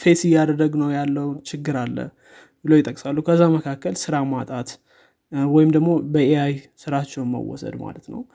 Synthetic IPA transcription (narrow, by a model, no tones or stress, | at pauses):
fe̞sɪjːad̪əd̪əɡnəwjalːəwnt͡ʃʰɪɡːɨɾalːə̰ | bɨləwjɪt̪ʼːəkʼsalːukʰəzːaməkʰakːəlsɨɾamat̪ʼat̪ | wɔjɪmd̪əɡmo̞bəʔeajsɨɾat͡ʃːɛwnmə̰wːɔ̰sə̰d̪ma̰lət̪nə̰w